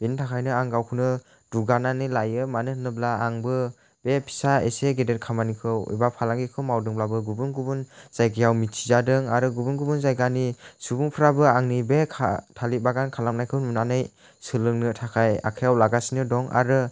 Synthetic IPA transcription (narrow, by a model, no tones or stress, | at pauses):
b̥intʰakʰajnɯaŋɡawkʰɯnɯ | duɡananilajɯmanɯhɯnɯblaːŋbɯ | b̥epʰi̥saḛseɡedet̚kʰamanikʰɯwḭbapʰalaŋɡikʰɯwmawdɯŋblabɯɡubɯŋɡubunz̥ajkʰijawmitʰi̥zadɯŋaɾɯɡubɯŋɡubunzajɡanisubuŋpʰɾabɯaŋnibekʰa̰tʰalibaɡankʰalam̚najkʰɯwnmunanɯj | sɯlɯŋnɯtʰakʰaja̰kʰajawlaɡasinɯdɔŋa̰ɾɯ